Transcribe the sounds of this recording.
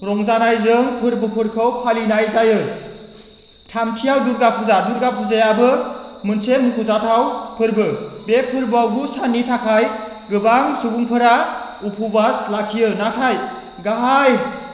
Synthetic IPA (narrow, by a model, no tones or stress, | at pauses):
ɾɔŋzanajzɯŋpʰɯɾbɯpʰɯɾkʰɯwpʰalinajzajɯ | tʰamtʰijawduɾɡapʰuzaduɾɡapʰuzajabɯmɯnsemukʰuzatʰawpʰɯɾbɯbepʰɯɾbɯawɡusanːitʰakʰaj | ɡɯbaŋsuɡuŋpʰɯɾaupʰubaslakʰijɯnatʰaj | ɡaɦaj